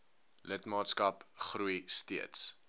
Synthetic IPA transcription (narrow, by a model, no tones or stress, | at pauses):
lətmɑːtskɐpχrujstiəts